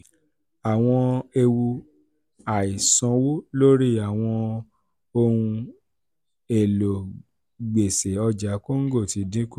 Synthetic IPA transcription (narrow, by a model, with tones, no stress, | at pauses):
a˨w̃ɔ̃˧e˧wu˧ | a˨i˨sɔ̃˨˧˦wo˦lo˦ɾi˦a˨w̃ɔ̃˧ | o˧hũ˧ | e˨lo˨ | ɡ͡be˨se˨ɔ˧d͡ʒa˨˦ko˦ŋ̩˦ɡo˦˨ti˨˧˦dĩ˦ko˦